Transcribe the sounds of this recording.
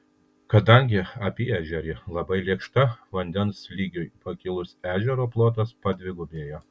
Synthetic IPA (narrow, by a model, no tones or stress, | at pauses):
kɐd̪ɐŋʲɡʲɪɐpʲiːæːʒʲɛɾʲilˠɐbɐɪlʲiɛkʃt̪ɐʋɐnʲd̪ʲɛnslʲiːɡʲʊjpɐkʲɪlˠʊsæːʒʲɛɾoːplˠoːt̪̬ɐspɐd̪ʲʋʲɪɡʊbʲeːjoː